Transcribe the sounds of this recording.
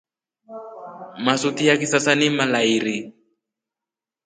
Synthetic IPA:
masutijakisasanimalaiɾi

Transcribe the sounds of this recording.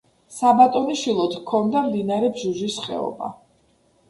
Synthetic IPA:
sabat̪ʼɔniʃilˠɔt̪ʰkʰːɔnd̪amd̪inaɾɛbzuzisχɛ̰ɔ̰ba̰

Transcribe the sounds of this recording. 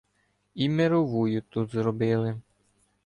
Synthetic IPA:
imeɾɔʋujʊt̪ut̪zɾɔbɪlˠɪ

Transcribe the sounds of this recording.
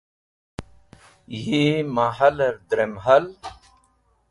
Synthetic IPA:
jimaɦɐlɐɾd̪ɾemɦɐl

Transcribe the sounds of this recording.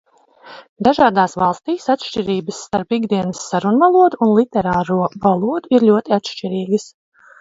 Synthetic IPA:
d̪aʒaːd̪aːsvɑlˠst̪iːsat̪ʃt͡ʃiɾiːbəsːt̪aɾpiɡd̪iɛnəsːaɾunvalˠuɔd̪uːnlˠit̪ɛɾaːɾuɔvalˠuɔd̪uiɾlʲuɔt̪iat̪ʃt͡ʃiɾiːɡəs

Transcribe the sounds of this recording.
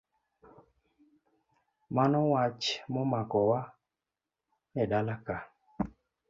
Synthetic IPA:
manɔwat͡ʃmɔmakɔwa | nɛdalaka

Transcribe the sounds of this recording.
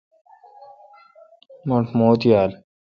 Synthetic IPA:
moɳʈʰmoːt̪jaːl

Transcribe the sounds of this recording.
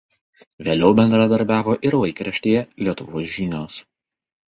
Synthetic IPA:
ʋʲeːlʲɛʊbʲɛnd̪ɾɐd̪ɐɾʲbʲæːʋoːʔɪɾʋɐɪkɾʲɐʃʲt̪ʲeːjɛlʲiɛt̪ʊʋoːsʒʲinʲoːs

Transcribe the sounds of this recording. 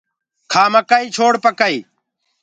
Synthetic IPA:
kʰaːməkaiːt͡ʃʰoːɽpəkəiː

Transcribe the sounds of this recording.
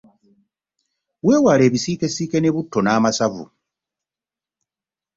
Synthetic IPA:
we̞ːwale̞ːβisiːke̞siːke̞ne̞βutːo̞naːmasavṵ

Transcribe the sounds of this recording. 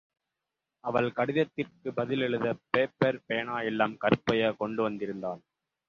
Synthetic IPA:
ɐʋɐɭkɐɽɪðɐt̪ːɪrkɯbɐðɪlɛɭɯðɐpeːpɛɾpɛjɐɳaːjɛlːaːmkɐɾɯpːɐjɐkɔɳɖɯʋɐnd̪ɪɾɯnd̪aːn

